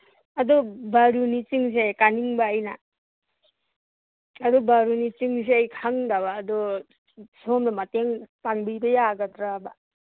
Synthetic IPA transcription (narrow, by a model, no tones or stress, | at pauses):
adɔbaɾunit͡ʃiŋsekaniŋbaːjna̰ | adɔbaɾunit͡ʃiŋs̬eajkʰaŋdaβaːdɔ | somnamateŋpaŋbibʌjaɡad̪ɾaba